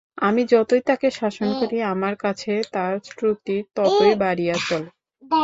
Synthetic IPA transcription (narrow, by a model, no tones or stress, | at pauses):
amid͡ʑɔt̪ojt̪akeʃaʃonkoɾiamaɾkat͡ɕʰet̪aɾsʈɾut̪it̪ɔt̪ojbaɾijat͡ɕol